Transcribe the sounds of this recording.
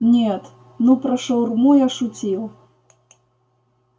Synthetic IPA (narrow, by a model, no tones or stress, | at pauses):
nʲɛt̪ | nupɾɐʂɐwrmujaʂut͡sʲiw